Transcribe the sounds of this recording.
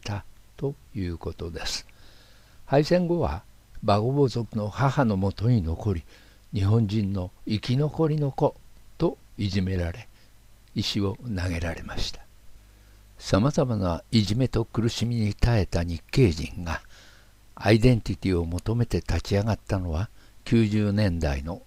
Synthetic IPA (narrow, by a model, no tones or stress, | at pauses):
t̪at̪o̞jɯːko̞t̪o̞d̪e̞sɨ̥ | haisẽ̞ŋɡo̞βa̰baɡo̞bo̞zo̞kɯ̟no̞hahano̞mo̞t̪o̞ɲ̟ino̞ko̞ɾʲi | ɲ̟iɦõ̞ɲd͡ʑĩnːo̞ikʲino̞ko̞ɾʲino̞ko̞t̪o̞ | iʑime̞ɾaɾe̞ | iɕio̞naɡe̞ɾaɾe̞̰maɕi̥t̪ḁ | samazamanaiʑime̞t̪o̞kɯ̟ɾɯ̟ɕimʲiɲ̟it̪ae̞t̪aɲ̟ikːe̞ːʑḭ̃ŋɡa | a̰id̪ẽ̞nt̪ʲit̪ʲio̞mo̞t̪o̞me̞t̪e̞t̪at͡ɕiaɡat̪ːano̞βakʲɨːʑɨːnẽ̞nd̪a̰ino̞